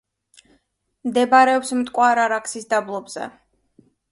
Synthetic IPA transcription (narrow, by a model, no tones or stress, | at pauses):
md̪ɛbaɾɛɔpsmt̪ʼkʼwaɾaɾakʰsisd̪ablˠɔbz̥ɛ̰